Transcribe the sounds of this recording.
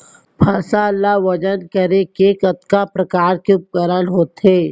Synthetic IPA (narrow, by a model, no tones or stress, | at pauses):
bʱaːsaəlːaʋɐd͡ʒənkəɾekeːkət̪kapɾɐkaːɾkeʊp̚kəɾəlɦoːt̪eː